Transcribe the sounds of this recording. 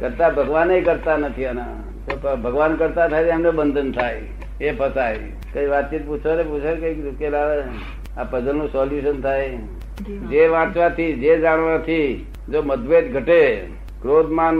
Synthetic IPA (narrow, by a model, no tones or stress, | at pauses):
kəɾt̪abʱəɡʋanejkəɾt̪anət̪ʰiəna | t̪oəbʱəɡʋankəɾt̪at̪ʰajd͡ʒeəmnebənd̪ʱənt̪ʰaj | epəsaj | kə̃iʋat̪̚t͡ʃit̪̚put͡ʃʰʋaneput͡ʃʰekəikelaʋe | apəd͡ʒənːũsɔljuʃənt̪ʰaj | d͡ʒeʋãt͡ʃʋat̪ʰid͡ʒed͡ʒaɽ̃ʋat̪ʰi | d͡ʒoməd̪ʋet̪ɡʱəʈe | kɾod̪man